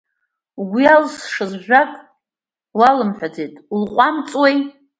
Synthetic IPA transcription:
ɡʷialsʂɨzʒᶣʷakʼ | walɨmħʷᶣad͡zejtʼulqʷʼamt͡sʼwej

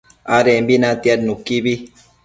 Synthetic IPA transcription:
aɾembinãt̪iadnukibi

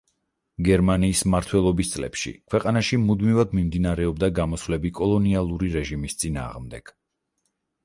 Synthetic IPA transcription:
ɡɛɾmaniːsmaɾt̪ʰwɛlˠɔbist̪sʼlɛ̰pʃḭkʰwɛqʼanaʃimud̪mivad̪mimd̪inaɾɛɔb̚d̪aɡamɔsvlɛbikʼɔlˠɔnialˠuɾiɾɛʒimist̪sʼina̰ːʁmd̪ɛɡ̥

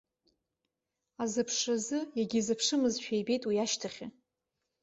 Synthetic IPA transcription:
azɨpʰʂazɨjaɡʲizɨpʰʂɨmɨzʃᶣejbe̞jtʼwiaʃtʰaχʲɪ

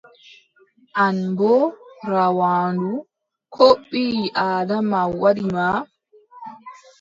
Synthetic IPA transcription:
ʔanbɔɾawaːndu | kʰoɓːiːʔaːdamawaɗima

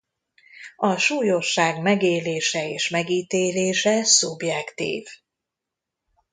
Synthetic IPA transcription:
ɒʃuːjo̞ʃːaːɡmɛɡeːleːʃɛeːʃmɛɡiːt̪eːleːʃɛsubjɛkt̪ḭːv

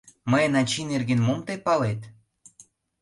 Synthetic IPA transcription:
məjənɑt͡ɕinerɡenmomt̪epɑlet̪

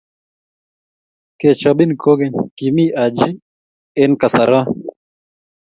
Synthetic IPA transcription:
ket͡ɕʰɐbinkoːɡenkimiʔad͡ʑi | enkɐsɐɾa

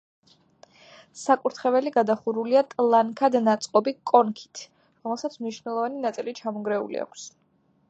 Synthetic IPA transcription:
sakʼuɾt̪ʰχɛvɛliɡad̪aχuɾuliat̪ʼlˠaŋkʰad̪nat̪sʼqʼɔbikʼɔnkʰi̥t̪ʰ | ɾɔmɛlˠsat̪sʰmniʃnɛlˠɔvaninat̪sʼilit͡ʃʰamɔɡɾɛṵlḭa̰kʷʰs

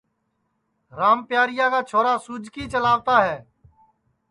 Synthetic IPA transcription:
ɾaːmpjaːɾɪjaːkaːt͡ʃʰoːɾaːsuːd͡ʒkiːt͡ʃəlaːʋt̪aːɦɛː

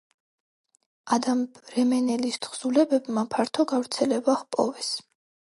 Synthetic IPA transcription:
ad̪amɾɛmɛnɛlist̪ʰχsulɛbɛbmapʰaɾt̪ʰɔɡavɾt̪sʰɛlɛbahpʼɔ̰vɛs

